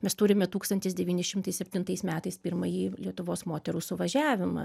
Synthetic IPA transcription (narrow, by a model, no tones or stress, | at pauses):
mʲɛst̪ʊɾʲɪmʲɛt̪uːkst̪ɐnʲt̪ʲɪsd̪ʲɛʋʲiːnʲɪsʃʲɪmt̪ɐɪsʲɛpʲt̪ʲɪnt̪ɐɪsmʲæːt̪ɐɪspʲɪɾmɐjiːlʲiɛt̪ʊʋoːsmoːt̪ʲɛɾuːsʊʋɐʒʲæːʋʲɪmɐ̰